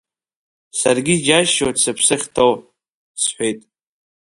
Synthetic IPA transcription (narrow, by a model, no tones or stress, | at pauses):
sarɡʲid͡ʒaʃosɨpʰsɨχʲtʰow | sħʷejtʼ